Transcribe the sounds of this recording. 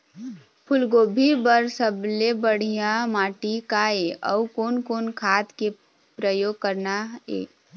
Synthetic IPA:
pʰʊlɡoːbʱibəɾsəblebəɽ̤ijãmaːʈikaeɔ̰ukoːnkoːnkʰaːt̪ke | pɾəjoːɡ̚kəɾnaḛː

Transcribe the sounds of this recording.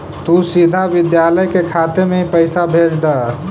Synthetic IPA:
t̪usid̪ʱaʋɪd̪jaːləjkekʰaːt̪emeɦipəɪsabʱeːd͡ʒd̪aː

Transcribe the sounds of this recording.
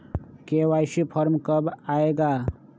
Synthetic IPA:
kewajsipʰʌɾmkəbaeɡa

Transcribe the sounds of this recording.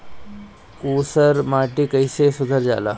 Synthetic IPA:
usəɾmaʈikəjsesud̪ʱəɾd͡ʑa̰la̰

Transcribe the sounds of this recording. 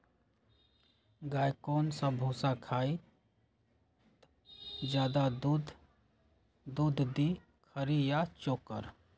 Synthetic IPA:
ɡaːjkoːnsãbʱõːsakʰaːi | d͡ʒjaːd̪adud̪ | d̪uːd̪ʱd̪i | kʰəɾijat͡ʃoːkə̰ɾ

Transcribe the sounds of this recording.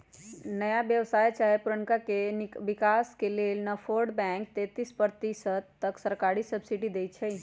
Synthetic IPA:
nəjabjəʋsajt͡ʃajpuɾəŋkakebikaskelelnəpʰoɾɖbɛ̃ŋk̚t̪et̪ispəɾt̪isət̪ːəksəɾkaɾisəbsiʈid̪ejt͡ʃʰəj

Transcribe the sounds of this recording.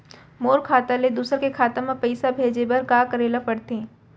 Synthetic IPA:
moːɾkʰaːt̪aled̪uːsəɾkekʰaːt̪ãmãpɐɪsabʱeːd͡ʒebɐɾɡaːkəɾeːlapɐɽt̪eɛ̃ː

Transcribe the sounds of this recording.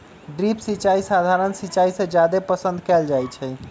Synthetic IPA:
ɖɾipsit͡ʃaisad̪ʱaɾənsit͡ʃaisẽd͡ʒjad̪epəsə̃nd̪ʱkɛld͡ʒajt͡ʃʰɛ

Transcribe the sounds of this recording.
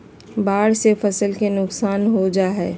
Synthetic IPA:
baːɽsefəsəlkenʊksaːnɦod͡ʒaːɦɛː

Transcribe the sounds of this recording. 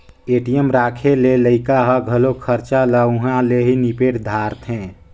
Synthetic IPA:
eːʈijəmɾaːkʰeleləɪkaɦəɡʱəlokʰəɾt͡ʃaləɦãleɦinipeːʈd̪ʱaɾt̪ɦɛ̃ː

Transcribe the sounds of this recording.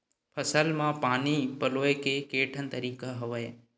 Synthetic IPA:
pʰəsəlmãpaːnipəloːjkekeːʈʰənt̪əɾiːkaɦəʋəj

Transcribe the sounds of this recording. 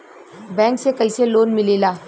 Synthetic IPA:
bɛ̃ːŋksekɐiseloːnmɪleːlaː

